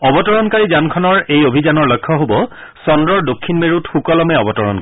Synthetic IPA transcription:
ɔbɔtɔɹɔnkaɹizankʰɔnɔɹejobʱizanɔɹlɔjkʰːɔɦobɔ | sɔndɹɔɹdokʰːinmeɹutxukɔlɔmɛɔbɔtɔɹɔ̰nk

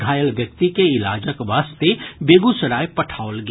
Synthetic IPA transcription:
ɡʱaːjəlʋjək̚t̪ikeɪla̰ːd͡ʒəkʋaːst̪ebeːɡusəɾaːjpɐʈʰaːʊlɡ

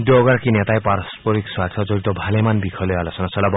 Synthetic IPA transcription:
doɡaɾkinet̪ajpaɾɔspɔɾikswat̪ʰɔd͡zɔɾit̪ɔbʱalemanbikʰɔlealɔsɔnasɔlab

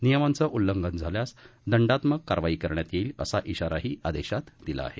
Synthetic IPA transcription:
nijəmant͡səʔulːəŋɡənd͡zʱaljasd̪əɳɖat̪məɡkaɾʋaiːkəɾɳjat̪jeləsaʔiɕaɾaɦiːʔad̪eɕat̪d̪ila̰ːɦe

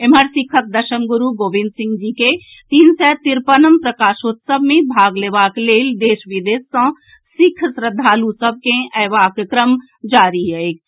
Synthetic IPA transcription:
emɐɾsikʰək̪̚d̪ɐʃəmɡʊɾuɡoːʋɪ̃nd̪sɪ̃ŋɡd͡ʒiːke | t̪iːnsɛːt̪iɾpənəmpɾɐkaːʃoːt̪sɐbmẽbʱaːɡleʋaːkleːld̪eːʃʋid̪eːsːɐ̃ː | sikʰsɾəd̪ʱaːlusɐb̚kẽʔɛːʋaːkkɾəm | d͡ʒaːɾiɦeeːk

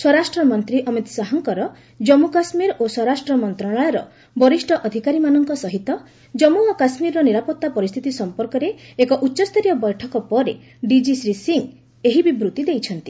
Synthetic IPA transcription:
sɔɾasʈɾɔmɔnt̪ɾiʔɔmit̪saɦɔŋkɔɾɔ | d͡ʒɔmukasmiɾosɔɾasʈɾɔmɔnt̪ɾaɭaɭɔɾɔ̰ | bɔɾisʈʰɔʔɔd̪ʱikaɾimanɔŋkɔsɔɦit̪ɔ | d͡ʒɔmuɔkasmiɾɔɔniɾapɔt̪ːapɔɾist̪ʰit̪isɔmpɔɾkɔɾeːkɔʔutːʃɔst̪ʰɔɾijɔbɔjʈʰɔkɔpɔɾḛ | ɖid͡ʒisɾisiŋ | eɦibibɾut̪id̪ejt͡ʃʰɔnt̪i

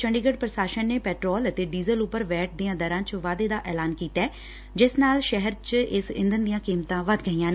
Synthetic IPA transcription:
t͡ʃəɳɖiːɡəɖ̚pɾəsaːʃənːeːpɛːʈɾɔːlət̪eːɖiːzəlʊpːəɾʋɛːʈ̚d̪ijãːd̪əɾãːt͡ʃʋaːd̪eːd̪aːʔɛːlaːnkiːt̪ɛː | d͡ʒɪsnaːlʃɛɦəɾt͡ʃɪsɪ̰̃nd̪ənd̪ijãːkiːmt̪ãːʋəd̪ɡəiːãːnː

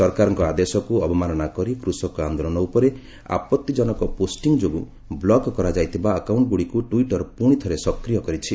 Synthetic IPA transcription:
sɔɾkaɾɔŋkɔad̪esɔkuɔbɔmanɔnakɔɾikɾusɔkuand̪olɔnɔupɔɾe | a̰pɔt̪ːid͡ʒɔnɔkɔposʈiŋd͡ʒoɡu | blɔkkɔɾad͡ʒajt̪ʰibaəkawɳʈɡuɽikuʈuiʈɔɾpuɽ̃it̪ʰɔɾesɔkɾijɔkɔɾit͡ʃʰi

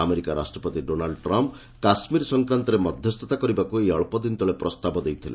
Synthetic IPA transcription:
ameɾikaɾa̰sʈɾɔpɔt̪iɖonalɖʈɾɔmp | kasmiɾsɔŋkɾant̪ɔɾemɔd̪ʱjɔst̪ʰɔt̪akɔɾibakueɔɭpɔd̪int̪ɔɭepɾɔst̪abɔd̪ejt̪ʰilḛ

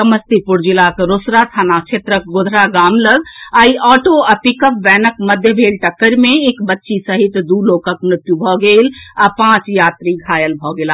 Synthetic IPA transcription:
səməst̪ipuɾd͡ʒilakɾosɾat̪ʰaːnat͡ʃʰet̪ɾək̚ɡod̪ʱɾaɡaːmləɡaiʔɔːʈoɐpikəp̚ʋɛːnəkməd̪ʱjəbʱeːlʈəkːəɾmẽekbətːʃisəɦit̪d̪uːloːkəkmɾɪt̪jubʱɔɡeːlapãːt͡ʃjaːt̪ɾiɡʱaːjəlbʱɔɡelaː

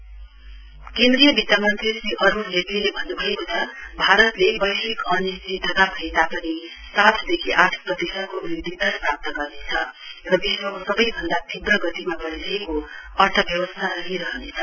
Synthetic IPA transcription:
kẽnd̪ɾijʌbit̪jamʌnt̪risiʔʌɾuɾlepilebʱʌnːubʱʌekut͡sʰʌbʱaɾʌt̪lebʌjɦikʌnisid̪ʱʌɡ̪abʱʌet̪apʌni | sat̪ʰd̪ekʰiʔaʈʰprʌd̪esʌnkounid̪id̪ʌsprap̚t̪ʌɡʌrnet͡sʰʌ | rʌbiɦɾʌkosʌbʌjbʱʌnd̪at̪ʰibrʌɡʌt̪imabʌɾdekoʌrt̪ʰʌbjʌwʌst̪ʰaɾʌɦiɾʌɦʌnet͡sʰʌ

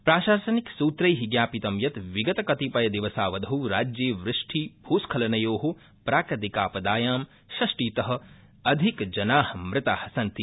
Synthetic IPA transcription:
pɾaːʃaːsɐniksuːt̪ɾɐjɦiɡjaːpit̪ɐmjɐt̪ʋiɡɐt̪ɐkɐt̪ipɐjɐd̪iʋɐsaːʋɐd̪ʱɐwɾaːd͡ʒjeːʋɾɪʂʈʰibʱuːskʰɐlɐnɐjoːɦo | pɾaːkɾɐt̪ikaːpɐd̪aːjaːm | ʃɐʂʈiːt̪ɐɦɐ̆ | ɐd̪ʱikd͡ʒɐnaːhmɾɪt̪aːhɐsɐnt̪i

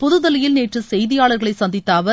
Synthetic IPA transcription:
pʊðɯðɐlɪjɪlneːʈrɯsɛjðɪjaːɭɐɾɣɐɭɐɪsɐnd̪ɪt̪ːaːʋɐ

